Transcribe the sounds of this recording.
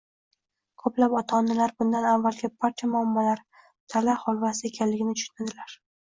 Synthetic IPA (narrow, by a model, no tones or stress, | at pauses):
kʰoplapɒt̪ʰaːnːɪlaɾbʊnd̪anavːalɡʲɪpʰaɾt̪ʰijamʊamːɒlaɾ | t̪ʰalahɒlvasɪekʲʰanlɪɡʲɪnɪt͡ʃ̪ʰʊ̥ʃʊnad̪ɪlaɾ